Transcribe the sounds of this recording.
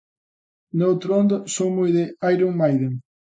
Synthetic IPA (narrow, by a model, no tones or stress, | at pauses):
nowt̪ɾond̪ʊsowmojðeajɾoŋmajðeŋ